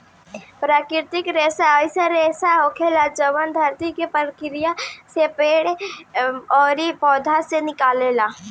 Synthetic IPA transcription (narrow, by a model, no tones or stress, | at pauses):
pɾaːkɾɪɾt̪ɪkɾeːsaɔseɾeːsaoːkʰelad͡ʒəʋənd̪ʱɐɾt̪ikepəɾkɪɾɪjasepeːɽ | ɔːɾipɔːd̪ʱasenɪkaːlela